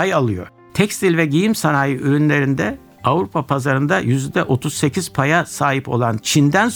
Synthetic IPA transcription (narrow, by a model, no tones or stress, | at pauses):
ajalˠɯjo̞̰ɾ | t̪ʰɛcst̪ʰilʲvɛɟijimsanaːjɯʔyɾynlʲe̞ɾind̪ɛ | avɾupʰapʰazaɾɯnd̪ajyzd̪ɛʔo̞t̪ʰuzse̞cʰiz̥pʰajasaːɦipo̞lˠant͡ʃʰind̪æns